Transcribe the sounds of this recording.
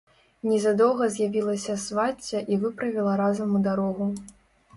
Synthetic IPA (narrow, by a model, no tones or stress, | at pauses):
nʲɛzad̪ɔwɣɐzʲjavʲilˠɐsʲɐsvat͡sʲːɐʔivɨpɾɐvʲilˠɐɾazɐmud̪aɾɔɣu